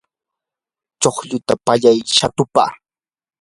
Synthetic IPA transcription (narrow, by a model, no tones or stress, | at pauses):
t͡ʃoχʎʊt̪apaʎajʃat̪ʊpa̰ː